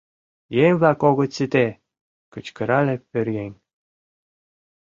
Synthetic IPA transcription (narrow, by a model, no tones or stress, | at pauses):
jemʲvlɑkoɣŏt͡sit̪e | kə̆t͡ɕkəɾɑlepørjenʲ